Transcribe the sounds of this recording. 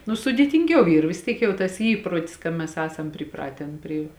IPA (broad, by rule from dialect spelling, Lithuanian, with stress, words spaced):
nʊ sʊdʲeːtʲɪŋʲˈɡʲɛʊ ˈiːr ʋʲɪs ˈtʲiɛk jɛʊ tɐs ˈiː ˈiːproːtʲɪs kɐ ˈmʲɛs ˈæːsɐm pʲrʲɪˈprɑːtʲɛn pʲrʲɪ